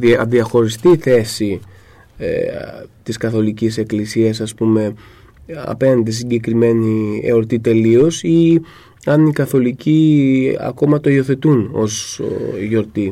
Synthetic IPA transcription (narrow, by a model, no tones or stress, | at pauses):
ðiɐxo̞ɾist̪iːθe̞si | et̪iskɐθo̞licise̞klisiɐsɐspume̞ | ɐ̰penɐnd̪is̬iɟe̞kɾime̞niḛo̞ɾt̪it̪e̞lio̞si | ɐnikɐθo̞liciɐ̰ko̞mɐt̪o̞io̞θe̞t̪uno̞̰zʝo̞ɾt̪i